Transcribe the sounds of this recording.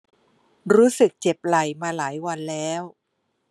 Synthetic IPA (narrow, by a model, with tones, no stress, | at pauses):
ɾuː˦˥sɯ˨˩k̚t͡ɕe˨˩p̚la˨˩jmaː˧laː˩˦jwa˧nlɛː˦˥w